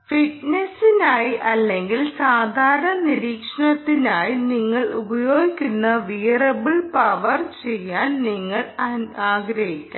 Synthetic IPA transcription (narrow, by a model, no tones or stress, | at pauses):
fiʈnesinaːjiʔɐlːe̞ŋɡilsaːd̪ʱaːɾɐɳɐniɾiːkʂɐɳɐt̪ːinaːjiniŋːɐɭubɐjo̞ːɡikʲːunːɐʋijrɐbiɭpɐʋɐrt͡ɕe̞jːaːnniŋːɐɭaːɡɾɐɦikʲːa